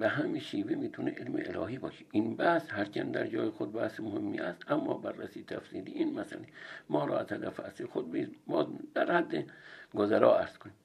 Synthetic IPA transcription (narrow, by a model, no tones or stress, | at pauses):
bæɦæmiʃiːvemiːt̪ʰuneʔelmḛʔelɒːɦibɒːʃi̥ʔinbæhshæɾt͡ʃʰænd̪æ̰ɾd͡ʒɒːjexod̪̚bæhsmohemːiæst̪ʔæmːɒ̰ːbærːæsiːt̪ʰæfsiːd̪iʔinmæsæ̰lemɒːɾɔ̰ːæzhæd̪æfæsixod̪̚bizbɒːzd̪̥æɾhæd̪ːeɡozæɾɒːæɾz̥kʰoni